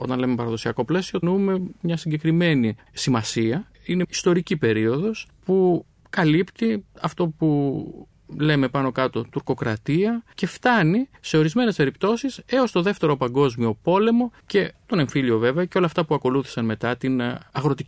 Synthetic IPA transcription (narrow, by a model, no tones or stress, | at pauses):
o̞t̪ɐnle̞mepɐɾɐðo̞siɐko̞ple̞sionume̞mɲɐsiɲɟe̞kɾime̞ni | simɐsiɐ | ineist̪o̞ɾicipe̞ɾio̞ðo̞spu | kɐlipt̪iɐft̪o̞pu | le̞me̞pɐno̞kɐt̪o̞t̪uɾko̞kɾɐt̪iɐce̞ft̪ɐnise̞o̞ɾizme̞nespe̞ɾip̚t̪o̞sise̞o̞st̪o̞ðe̞ft̪e̞ɾo̞pɐŋɡo̞zmio̞po̞le̞mo̞ce̞t̪o̞ne̞ɱfiʎio̞ve̞veɐceo̞lɐːft̪ɐpuɐko̞luθi̥sɐnme̞t̪ɐt̪inɐɣɾo̞t̪i